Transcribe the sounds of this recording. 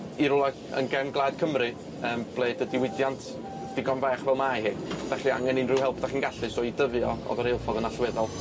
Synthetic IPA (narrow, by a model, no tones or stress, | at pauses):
iɾʊlˠa | ə̰nɡɛmɡlˠaːd̥kʰəmrɨ | əːmb̥lˠeːdədɪwɪdjantʰ | d̥ɪɡɔnvɛːχvɛlˠmaɦɪːd̥aɬia̰ŋɛnɨnrɪwɦɛlˠpʰd̥aχinɡaɬɨsɔidəvjɔɔ̰ðɔɾejlˠfɔðənaɬwɛðɔlˠ